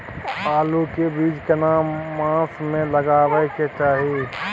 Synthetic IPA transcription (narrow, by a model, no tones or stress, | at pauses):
aːlukebiːd͡ʒkɐnaːmãːsmẽləɡaːʋəket͡ʃaːɦi